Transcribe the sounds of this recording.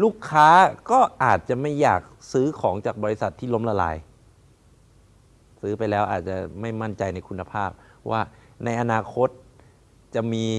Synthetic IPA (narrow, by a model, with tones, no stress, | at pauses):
luː˥˩kʰːaː˦˥kɔː˥˩ʔaː˨˩t̪̚t͡ɕa˨˩ma˥˩jːaː˨˩k̚sɯː˦˥kʰɔː˩˦ŋt͡ɕaː˨˩k̚bɔː˧li˦˥sa˨˩t̪ʰːiː˥˩lo˦˥mla˧la̰ː˩˦j | sɯː˦˥pa˧jlɛː˦˥wʔaː˨˩t̪̚t͡ɕa̰˨˩ma˥˩jma˥˩nt͡ɕa˧jna˧jkʰu˧nːa˧pʰaː˥˩p̚wʔa̰ː˥˩na˧jʔa˧naː˧kʰo˦˥t̪̚ | t͡ɕa˨˩miː˧